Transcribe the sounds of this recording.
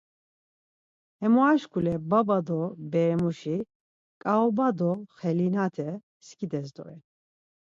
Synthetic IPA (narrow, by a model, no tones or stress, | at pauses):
ɛmɔaʃkʰʼulɛbabad̪ɔbɛɛmuʃi | kʼaɔbad̪ɔχɛlinat̪ʰɛ | skʰʼid̪ɛzd̪ɔ̰ɛ